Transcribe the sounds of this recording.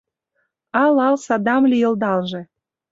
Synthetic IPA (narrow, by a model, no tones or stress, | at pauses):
ɑlɑlsɑd̪ɑmlʲijɤ̆ld̪ɑlʒĕ